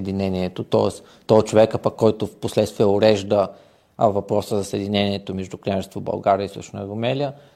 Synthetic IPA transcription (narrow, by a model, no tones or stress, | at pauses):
d̪inɛniɛt̪ot̪ɔ̰ɛs | t̪ɔt͡ʃovɛkapəkːɔjt̪ofposlɛt̪st̪viəʊɾɛʒd̪ə | vɐpɾɔsəzɐsəɛd̪ʲinʲɛniɛt̪omɛʒd̪uknʲaʒɛst̪vobɐ̰lˠɡaɾiəisṵʃnəəɡʊmɛliə